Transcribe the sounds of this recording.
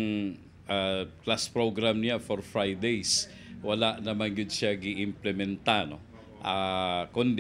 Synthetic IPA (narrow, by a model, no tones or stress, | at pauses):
ŋ | ʔaklaspɾoɡɾamnɪafoɹfɹajd̪ejs | wɐlaʔnɐmanɡɪd̪ʃaɡɪʔɪmplɛmɛnt̪ano | ʔakʊnd̪